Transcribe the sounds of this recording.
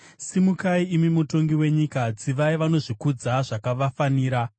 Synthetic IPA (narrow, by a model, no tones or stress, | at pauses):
simukaiimimuto̞ŋɡiwe̞ɲikad͡ziʋaiʋano̞ʐikud͡zaʐakaʋafaniːɾa